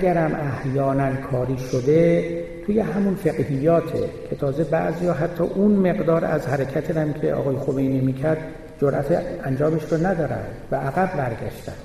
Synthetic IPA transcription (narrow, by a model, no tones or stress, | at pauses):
æɡæɾæmʔæhjɒːnænkʰɒːɾiːʃod̪e̞t̪ʰuːjeɦæmunfe̞ɣhijːɒːt̪ʰḛcʰe̞t̪ʰɒːze̞bæ̰ʔzijɒːɦæt̪ʰːɒ̰ːʔunme̞ɣd̪ɒːɾæ̰zhæɾecʰæt̪ʰeɾæmcʰḛʔɒ̰ɣɒːjexomejniːmiːcʰæɾd̪ | d͡ʒoɾʔæt̪ʰeænd͡ʒɒːmeʃɾonæd̪ɒːɾæ̰nd̪̥væʔæɣæbːæɾɡæ̰ʃt̪æ̰nd̪̥